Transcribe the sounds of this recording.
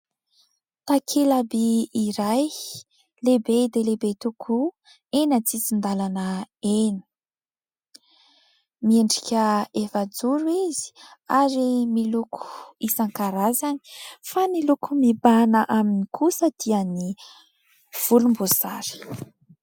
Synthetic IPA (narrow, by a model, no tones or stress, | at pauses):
t̪akʰelabiːɾaj | lebed̪elebet̪ukʰu | enət͡sit͡sind̪alanəenə̥ | mieɳɖ͡ʐikʲəefad͡zuɾuizi̥aɾimilukʰu̥isaŋkaɾazani̥fanilukumibanəʔaminikʰusəd̪̥iəni | v̥ulumboz̥aɾi̥